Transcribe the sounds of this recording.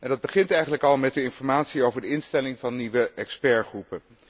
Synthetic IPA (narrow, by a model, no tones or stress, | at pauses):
ʔɛndɑd̚bəχɪntɛjχənləkɑlˠmɛt̚dəɪnfɔɹmaːtsiowvəɹdəɪnstɛlɪŋvɑnːiʋəɛkspɛɹχrupə